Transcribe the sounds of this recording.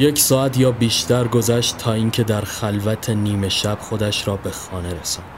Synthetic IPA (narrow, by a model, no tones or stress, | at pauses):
je̞cʰsɒːæt̪ʰjɒːbiːʃt̪ʰæɾɡo̞zæʃt̪t̪ʰːɒːiːŋcʲʰe̞d̪æɾxælvæt̪ʰe̞niːme̞ʃæb̥xo̞d̪æʃɾɒːbe̞xɒːne̞ɾesɒnd̥̪